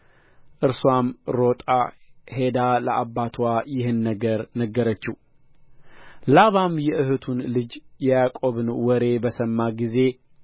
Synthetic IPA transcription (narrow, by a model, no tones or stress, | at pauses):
ʔɨɾswamɾo̞t̪ʼahe̞d̪aləʔabːat̪ʰwajɪhɨnːəɡəɾnəɡːəɾət͡ʃːu | laβamjɛʔɨhɨt̪ʰunlɨd͡ʒjɛjakʼo̞βɨnwɔɾe̞bəsəmːaɡize̞